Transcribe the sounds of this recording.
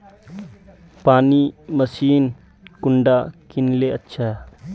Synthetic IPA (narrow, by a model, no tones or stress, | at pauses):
paːnimɐsiːn | kʊɳɖaːkɪnleɐtːʃʰaɦɛ